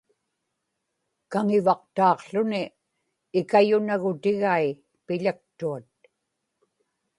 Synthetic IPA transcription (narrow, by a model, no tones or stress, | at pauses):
kaŋɪvɑq̚t̪ɑːqɬʊnɪː | kajʊnaɣʊt̪ɪɣai | pɪʎak̚t̪uat̪̚